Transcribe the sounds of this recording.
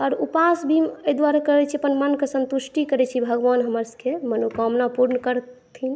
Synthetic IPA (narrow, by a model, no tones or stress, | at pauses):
ɔɾupasbʱiəjd̪waɾakəɾɛt͡ʃʰiəpənmənkesə̃nt̪usʈikəɾɛt͡ʃʰibʱəɡʋanɦəməɾskemənukɔmnapuɾnəkəɾt̪ʰin